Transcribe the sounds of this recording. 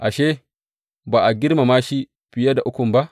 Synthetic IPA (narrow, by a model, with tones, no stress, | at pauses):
ʔa˨ʃeː˦ | baː˨ʔa˨ɡʲɪ˦ɾma˨maː˦ʃi˦ | ɸɪ˨ja˦da˨ʔʊ˦kʷʊ˨mba˦ʔ